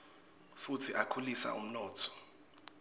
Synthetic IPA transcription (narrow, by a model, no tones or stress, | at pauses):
futʰiʔakʰulisa̰ʔum̩nɔːtʰɔ̥